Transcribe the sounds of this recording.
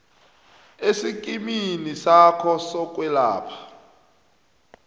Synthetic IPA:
esik̬ʼiminisakʰɔsɔk̬ʼwɛla̰ːpʰḁ

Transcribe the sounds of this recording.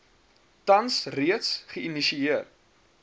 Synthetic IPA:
tɐnsriətsχəiniʃiiər

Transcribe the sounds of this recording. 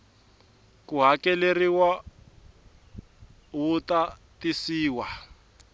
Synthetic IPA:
kuɦakɛleriwa | wutatisiːwa

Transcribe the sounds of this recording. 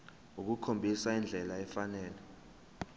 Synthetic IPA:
uk̬ukʰombʱisaind͡ɮʱɛlaɛfanɛːlɛ

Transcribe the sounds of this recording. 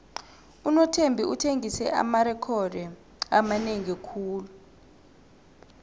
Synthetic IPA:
unɔtʰembʱiutʰeŋisɛ̰ʔa̰maɾɛkʰɔdɛ | amaneŋiekʰuːlu

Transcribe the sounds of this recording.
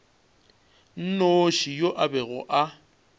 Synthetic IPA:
n̩noʃijoʔabɛɣʊʔa

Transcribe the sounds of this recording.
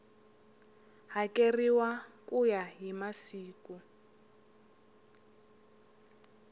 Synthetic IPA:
ɦakeriwakʼujaɦimasiːku

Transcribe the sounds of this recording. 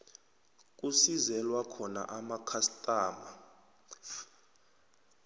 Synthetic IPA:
k̬ʼusizɛlwakʰɔna̰ʔamakʰastʼaːma

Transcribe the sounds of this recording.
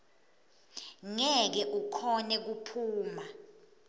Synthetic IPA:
ŋɛk̬ɛʔukʰɔnɛk̬upʰuːma

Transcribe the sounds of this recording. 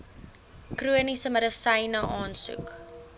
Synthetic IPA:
kruənisəməɾəsɐjnəʔɑːnsṵk

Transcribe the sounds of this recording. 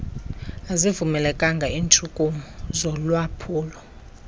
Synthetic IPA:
azivumɛlɛkʼaŋɡʱaiːntʰʼukʼuzɔlwapʰuːlɔ

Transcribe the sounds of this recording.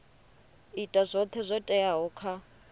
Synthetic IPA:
itʼazʷɔt̪ʰɛzʷɔtʼɛaɦɔkʰa

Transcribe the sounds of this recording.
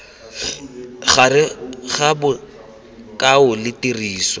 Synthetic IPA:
χarɪɣabʊ | kʼaʊlɪtiriːswɔ

